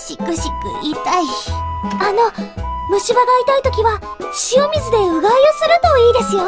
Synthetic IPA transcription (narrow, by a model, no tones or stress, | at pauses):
ɕikɯ̟ɕikɯ̰ʔit̪ai | ano̞mɯ̟ɕibaɡait̪ait̪o̞kʲiβa | ɕiomʲizɨd̪e̞ɯ̟ɡaiosɨɾɯ̟t̪o̞iːd̪e̞sɨjo̞